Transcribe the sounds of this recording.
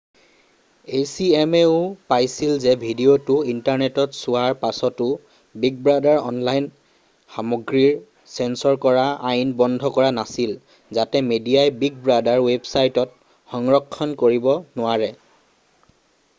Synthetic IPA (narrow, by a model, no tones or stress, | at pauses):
esiɛmeʊpajsilzɛbʱidiotʊintaɹnetɔtsʊaɹpasɔtʊ | biɡ̚bɹadaɹɔ̰nlajn | xamɔɡɹiɹ | sɛnsɔɹkɔɹaajnbɔndʱɔkɔɹanasil | zatɛmediajbiɡ̚bɹadaɹwebsajtɔt̚ | xɔŋɹɔkʰːɔnkoɹibɔnʊwaɹɛ